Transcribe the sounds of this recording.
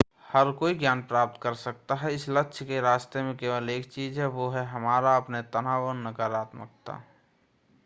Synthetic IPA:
həɾkoːiɡjaːnpɾaːp̚t̪kəɾsək̚t̪aɦɛɪsləkːʃʰkeɾaːst̪emẽkeːʋəleːk̚t͡ʃiːzɦɛʋoɦɛɦɐmaːɾaɐpnet̪ənaːʋənːəɡaːɾaːt̪mə̰k̚t̪a̰ː

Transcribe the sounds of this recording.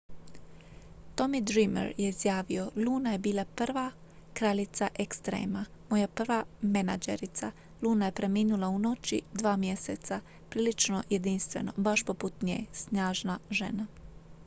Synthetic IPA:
t̪o̞mid̪ɾimḛɾjeizjaːʋio̞lˠuːnaje̞biːlˠapr̩ʋa | kɾaʎit̪saʔekst̪ɾḛːmamo̞japr̩ʋamenad͡ʒḛɾit̪sa | luːnaje̞pɾe̞miːnulˠauno̞t͡ʃḭd̪ʋaːmje̞set̪sa | pɾiːlit͡ʃnoje̞d̪inst̪ʋe̞̰no̞̰baʃpo̞put̪ɲḛːsnaːʒnaʒe̞̰na

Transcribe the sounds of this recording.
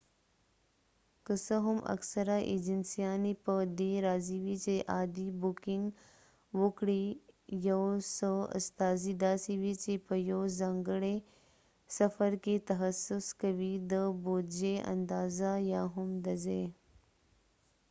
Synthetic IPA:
kəsəɦumʔɐ̰ksɐɾaːʔḛːd͡ʒənsijaːnipəd̪eːɾaːziːʋit͡ʃeʔaːd̪iːbukiŋɡ | ʋukɽiːjowsəɐ̰st̪aːzid̪aːsiʋiːt͡ʃepəjoːzɐŋɡɽe | sɐfəɾket̪ɐɦɐsːʊskɐʋiːd̪əboːd͡ʒeʔɐ̰nd̪aːzajaːɦumd̪ɐzeː

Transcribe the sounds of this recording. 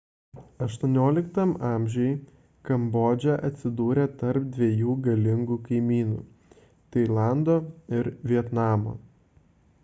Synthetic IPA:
ɐʃt̪uɔnʲoːlʲɪkt̪ɐmɑːˑmʲʒʲɛj | kɐmboːd͡ʒʲɛʔɐt̪ʲsʲɪd̪uːɾʲɛt̪ɐɾp̚d̪ʲʋʲejuːɡɐlʲɪŋɡuːkɐɪmʲiːnṵː | t̪ɐɪlˠɑˑnd̪oːɪɾʋʲiɛt̪nɑːmo̰ː

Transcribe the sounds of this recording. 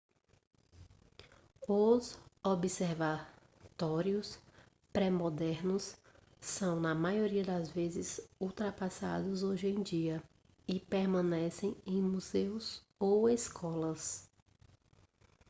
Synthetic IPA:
ʊzobiseɾva | t̪ɔɾiʊs | pɾɛmɔd̪ɛɾnʊsː | ɐ̃w̃nɐmajoɾiɐd̪ɐzvezɪzuwt̪ɾapasa̰d̪ʊzoʒẽj̃d͡ʒiɐ | ɪpeɾmɐ̃nɛsẽj̃ẽj̃muzewz | oweskʰɔlɐs

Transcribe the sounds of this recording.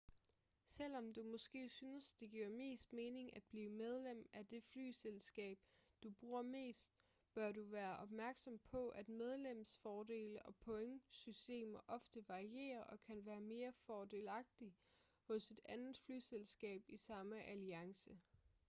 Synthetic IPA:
sel̰ɒ̽md̥umɒ̽sɡ̥e̝̰ːsyːnəsd̥e̝ɡ̥iɐme̝̰ːsd̥me̝ːne̝ŋæd̥̚b̥liːmeð̞ˠlem̰æd̥e̝fly̰ːselsɡ̥ɛ̰ːb̥d̥ub̥ʁuːɐ̰me̝̰ːsd̥̚ | b̥ɶɐɾuʋæːɐʔɒ̽b̥mæɐɡ̥sɒ̽mpʰɒ̽ʔæd̥með̞ˠlem̰sfɒːde̝̰ːləʔɒ̽pʰɔ̽eŋsysd̥e̝̰ːmɐʔɒ̽fd̥əʋɑ̈ʁie̝̰ːɐʔɒ̽kʰænʋæːɐme̝ːɐfɒːd̥e̝ːlɑ̈ɡ̥̚d̥i | hɔ̽se̝d̥ænð̩ˠfly̰ːselsɡ̥ɛ̰ːb̥isɑ̈məʔæliɑ̈ŋsə

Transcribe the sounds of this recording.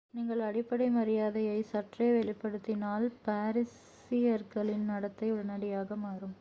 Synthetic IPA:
niːŋɡɐɭɐɽɪpːɐɽɐɪmɐɾɪjaːðɐjɐɪsɐʈreːʋɛɭɪpːɐɽɯt̪ːɪnaːlpaːɾɪs | ɪjɐɾkɐɭɪnnɐɽɐt̪ːɐɪʊɽɐnɐɽɪjaːɣɐmaːɾɯm

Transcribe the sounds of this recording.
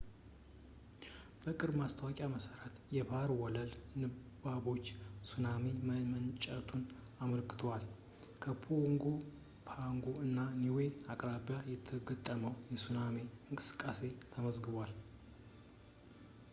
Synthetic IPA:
b̥əkʼɨɾmast̪ʰəwakʼjaməsəɾət̪jɛbaɾwɔləlnɨbabo̞t͡ʃːsunameməmənt͡ʃʼət̪ʰun | aməlkʰɨ̥t̪ʰəwal | kʰəpʰoŋɡo̞ | pʰaŋɡo̞ɨnːaniwe̞akʼɾaβjajɛt̪ʰːəɡət̪ʼːəməwjɛsuname̞ɨŋkʼɨsɨ̥kʼːase̞t̪ʰəməzɡɨβwal

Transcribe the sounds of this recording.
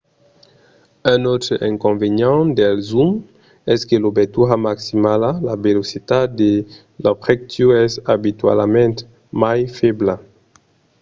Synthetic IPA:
ɛ̃not̪ɾəʔɛ̃ŋkõnveɲɑ̃d̪ɛlzum | ɛskelobet̪uamaksimalalabelosit̪ad̪e | lafʁɛk̚t̪oɛzabit̪wa̰lmɛ̃nt̪ | majfɛbla

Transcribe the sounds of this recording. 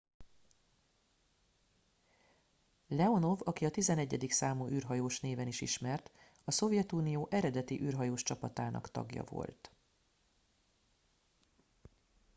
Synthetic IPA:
lɛo̞no̞vɒkiɒt̪izɛnɛɟːɛd̪iksaːmuːʔyːrɦɒjoːʃneːvɛniʃiʃmɛrt̪ | ɒso̞vjɛt̪uːnijoːʔɛɾɛd̪ɛt̪iʔyːrɦɒjoːʃt͡ʃɒpɒt̪aːnʔɒ̰kt̪ɒ̰ɡjɒ̰vo̞̰lt̪

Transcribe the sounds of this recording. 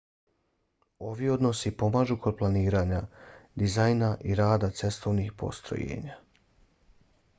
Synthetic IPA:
o̞ʋio̞d̪no̞sipo̞maːʒuko̞d̪̚plˠaniːɾaɲad̪izajnaʔiɾaːd̪at̪se̞st̪ʰo̞ʋnixpo̞̰st̪ɾo̰jḛːɲa

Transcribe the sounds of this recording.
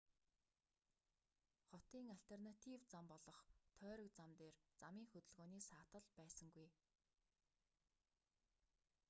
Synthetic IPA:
χɔt̪iːŋaɬt̪ʰernat̪ʰiwt͡sampɔɮɞ̆χt̪ʰœːɾɞ̆k̚t͡samt̪eːrt͡samiːŋxɵt̪ɵ̆ɮɣoːniːsaːt̪ə̆ɮpæːsə̆ŋɡuj

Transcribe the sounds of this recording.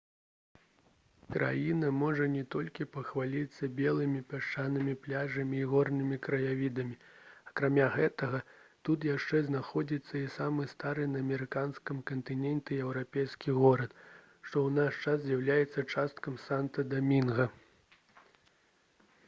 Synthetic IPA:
kɾʔa̰jinɐmɔʐɐnʲɛt̪ɔlʲkʲipɐxvalʲit̪sːɐbʲɛlˠɨmʲipʲaʂt͡ʂanɨmʲiplʲaʐɐmʲiːɣɔrnɨmʲikɾɐjavʲid̪ɐmʲiɐkɾamʲaɣɛt̪ɐɣɐt̪ut̪̬jaʂt͡ʂɛznaxɔd͡zʲit̪sːɐisamɨst̪aɾɨnɐːmʲɛɾɨkanskɐmkɐnt̪ɨnʲɛnt̪ʲɛɛwɾapʲejskʲiɣɔɾɐt̪ | ʂt̪ɔwnaʂt͡ʂaszʲjawlʲajɛt̪sːɐt͡ʂast̪kɐmsant̪ɐd̪amʲinɣɐ

